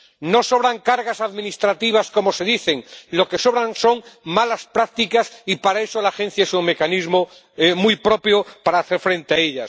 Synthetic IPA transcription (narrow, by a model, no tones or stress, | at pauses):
no̞so̞β̞ɾaŋkaɾɣasaðmĩnist̪ɾat̪iβ̞asko̞mo̞se̞ðiθe̞ŋlo̞ke̞so̞βɾanso̞ŋmalaspɾak̚t̪ikasipaɾaeso̞laxẽ̞n̟θjaesuŋme̞kanizmo | emujpɾo̞pjopaɾaːθe̞ɾfɾẽ̞nt̪eaeʎas